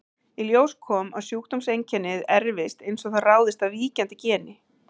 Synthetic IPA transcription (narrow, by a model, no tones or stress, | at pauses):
iljoːwskʰɔːma̰ðsjuːkt̪ɔmsejɲcʰɛnːɪðɛɾvɪst̪ejnsɔɣθaraːwðɪst̪aðviːcant̪ɪcɛːnɪ